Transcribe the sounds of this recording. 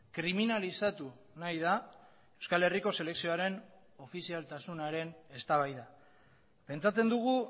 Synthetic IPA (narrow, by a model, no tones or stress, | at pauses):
kɾiminalisat̪u | najða | e̞wskale̞riko̞se̞le̞ksio̞aɾe̞n | o̞fisialt̪asunaɾe̞ne̞st̪aβajða | pe̞nt͡sat͡se̞nd̪uɣ̞u